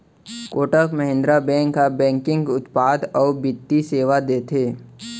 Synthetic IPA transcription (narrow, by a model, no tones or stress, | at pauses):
koːʈəkməɦɪ̃nd̪ɾabɛ̃ːŋkːabɛ̃ːŋkɪ̃ŋɡʊt̪paːd̪ɔːɾbɪt̪ːiseːʋad̪eːt̪ʰeː